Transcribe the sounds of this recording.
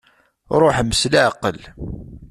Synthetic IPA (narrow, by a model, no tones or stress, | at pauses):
ɾˤoħməslaʕaqːəl